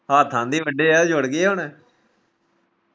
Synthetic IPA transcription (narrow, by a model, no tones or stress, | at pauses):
haːt̪ʰãːnd̪iːʋəɖeːɛːd͡ʒʊɽɡeːɦʊɳɛː